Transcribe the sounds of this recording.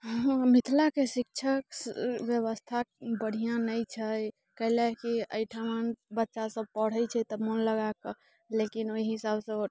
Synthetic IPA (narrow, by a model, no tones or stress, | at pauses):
ɦɦmit̪ʰlakesik̚t͡ʃʰəkbjəβəst̪ʰabəɽ̤ijãnəjt͡ʃʰəj | kəɦlakiəjʈʰamənbətːʃasəb̚pəɽ̤əjt͡ʃʰɛt̪ɔmonləɡakɔ | lekinoiɦisabsə̃